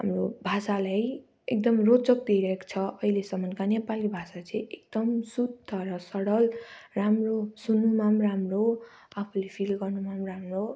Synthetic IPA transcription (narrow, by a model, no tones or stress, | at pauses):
ɦamrobʱasalaj | ek̚d̪ʌmrot͡sʌk̚d̪ijɾʌɦeko̥t͡sʰʌʌilesʌmːʌnkanepalibʱasat͡sʌj̃ek̚d̪ʌmsud̪ʱʌɾʌsʌɽʌlramrosunːumamramro | apʰulepʰilɡʌrnumamramro